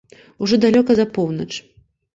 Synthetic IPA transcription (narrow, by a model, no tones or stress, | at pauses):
uʐɔd̪alʲɔkɐzɐpɔwnɐt͡ʂ